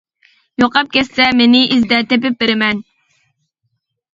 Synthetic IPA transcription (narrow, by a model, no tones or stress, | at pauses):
joqʰɑp̚kʲɛssɛmenɪʔizd̪ɛt̪epɪp̚beɾɪmɛn